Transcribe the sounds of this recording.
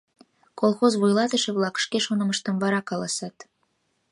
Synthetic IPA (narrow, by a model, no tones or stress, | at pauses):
kolˠxozβujlɑt̪ə̆ʃĕβlɑkʃkeʃonə̆mə̆ʃt̪ə̆mβɑɾɑkɑlɑsɑt̪